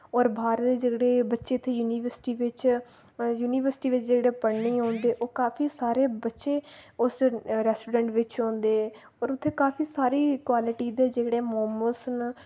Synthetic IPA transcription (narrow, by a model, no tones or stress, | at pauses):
ɔːɾbʱaːɾt̪eːd͡ʒəːɡɽeːbətːʃeːt̪ʰːeːjuːniːʋəɾsɪ̥ʈiːʋɪt͡ʃ | juːniːʋəɾsʈiːʋɪt͡ʃd͡ʒəːɽeːpəɽniːɦõːnd̪eːʔoːkaːpʰiːsaːɾeːbətːʃeːʊsɾɛːsʈuːɖɛɳʈʋɪt͡ʃõːnd̪eː | ɔːɾʊt̪ʰːeːkaːpʰiːsaːɾiːkwaːlɪʈiːd̪eːd͡ʒeːɽeːmɔːməsn